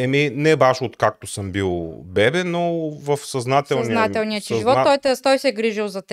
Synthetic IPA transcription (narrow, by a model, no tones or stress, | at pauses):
ɛminɛbaʃot̪kak̚t̪osɤmbilˠbɛbɛnovɐfsɐznat̪ɛlˠnzinaɛlˠniɐt͡ʃizvˠɔɔjt̪ɛst̪ɔjsɛɡɾiʒilˠzɐt̪